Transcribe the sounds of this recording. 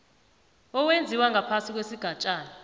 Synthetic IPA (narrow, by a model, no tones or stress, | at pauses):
ɔwend͡zʱiwaŋɡʱapʰasik̬wesiɡ̥ʱat͡ʃʼaːna